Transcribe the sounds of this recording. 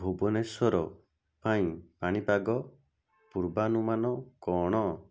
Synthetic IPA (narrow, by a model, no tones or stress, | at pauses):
bʱubɔnesɔɾɔ | paĩpaɽ̃ipaɡɔ | puɾbanumanɔkɔɽ̃ɔ